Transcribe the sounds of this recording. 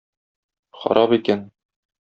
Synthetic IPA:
χɒ̰ɾʔɑpikæn

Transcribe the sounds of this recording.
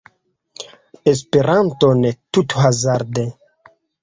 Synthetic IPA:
es̬peɾantonet̪ut̪hazaɾd̪e

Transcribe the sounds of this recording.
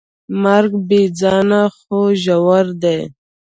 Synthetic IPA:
maɾɡbed͡zɑnaxoʒawaɾd̪ej

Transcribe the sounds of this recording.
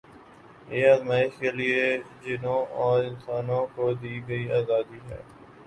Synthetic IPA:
eːəzmaːɪʃkelie | d͡ʒɪnõːɔːɾɪ̃nsaːnõkod̪iːɡɐiaːzaːd̪iɦɛ̰ː

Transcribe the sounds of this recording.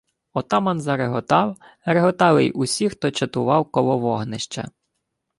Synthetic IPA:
ɔt̪ɑmɐnzɐɾeɦɔt̪ɑw | ɾeɦɔt̪ɑlɪjʊsʲixt̪ɔt͡ʃɐt̪ʊʋɑwkɔlˠɔʋɔɦnɪʃt͡ʃɐ̰

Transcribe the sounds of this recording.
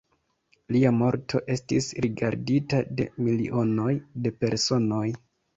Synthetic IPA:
liamo̞ɾtʰo̞̰ʔe̞stisɾiɡaɾditade̞̰miliʔo̞no̞jde̞pe̞ɾso̞no̞j

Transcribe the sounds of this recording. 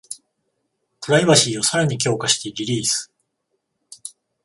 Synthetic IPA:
pɯ̟ɾaiβaɕiːo̞saɾaɲ̟ik̬ʲo̞ːkaɕi̥t̪e̞ɾʲiɾʲiːsɨ̥

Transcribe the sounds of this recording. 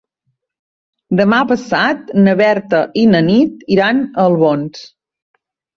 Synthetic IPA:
d̪əmapəsat̪̚nəβɛɾt̪əʔinənit̪iɾanəlˠβons

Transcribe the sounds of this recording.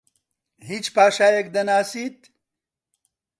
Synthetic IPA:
ɦit͡ʃpaːʃaːjek̚d̪ɐnaːsit̪

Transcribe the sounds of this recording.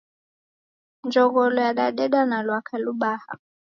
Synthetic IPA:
nd͡ʒɔɣɔlɔjaɗaɗɛɗanalwakʰaluɓaha̰

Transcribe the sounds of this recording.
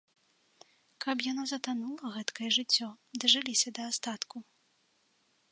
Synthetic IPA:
kɐpjanɔzɐt̪anulˠɐɣɛt̪kɐjɛʐɨt͡sʲːɔd̪ɐʐɨlʲisʲɐd̪ɐːst̪at̪ku

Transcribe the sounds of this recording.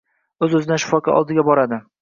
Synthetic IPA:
ɵzɵzɪnaʃʊ̥fɒkʰɑ̰ʔɒ̰lˠd̪ɪɡʲabɒɾad̪ɪ

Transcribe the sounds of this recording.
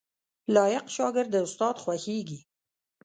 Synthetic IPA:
lɑjɪqʃɑɡɪɾd̪əʊst̪ɑd̪xwaxeɡi

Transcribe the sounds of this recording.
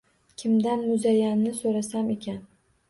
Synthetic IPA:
kʲʰɪmd̪anmʊzajanːɪsoɾasame̞kʲʰan

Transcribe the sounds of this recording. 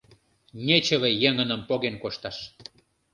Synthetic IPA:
nʲet͡ɕə̆βejeŋənə̆mpoɣenkoʃt̪ɑʃ

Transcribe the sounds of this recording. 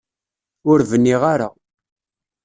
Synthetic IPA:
ʊɾvənːiʁaɾa̰

